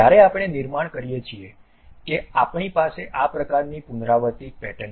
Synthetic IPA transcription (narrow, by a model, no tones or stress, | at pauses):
aɾeapɳ̃eniɾmaɳ̃kəɾijet͡ʃʰie | keapɳ̃ipaseʔapɾəkaɾnipunɾaʋət̪ipɛʈən